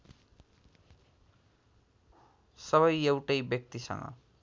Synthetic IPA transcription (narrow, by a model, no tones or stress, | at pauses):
sʌβʌjewʈʌjbjʌk̚t̪isʌ̰ŋʌ̰